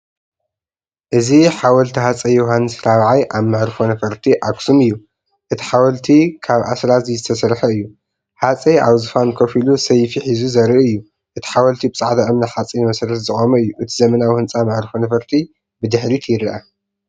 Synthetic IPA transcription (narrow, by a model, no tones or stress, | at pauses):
ʔɨziħawɐlt̪ʰihat͡sʼɐjoɦanːɨsɾaβʕajʔaβmɨʕɾfonɐfɐɾt̪ʰiʔaksumɨjːu | ʔɨt̪ʰi̥ħawɐlt̪ʰikʰaβʔa̰sɾazizɨt̪ʰɐsɐɾħɐɨjːu | ħat͡sʼiʔaβzɨfankʰɐfilusɐjfiħizuzɐɾiʔɨjːu | ʔɨt̪ʰi̥ħawɐlt̪ʰibɨt͡sʼaʕd̪ɐʔɨmnɐħat͡sʼinɨmɐsɐɾɐt̪zɨχʼomɐɨjːuʔɨt̪ʰizɐmɐnawihɨnt͡sʼamɨʕɾɨfonɐfɐɾt̪ʰi | bɨd̪ɨħɾit̪ʰjɪɾɐʔa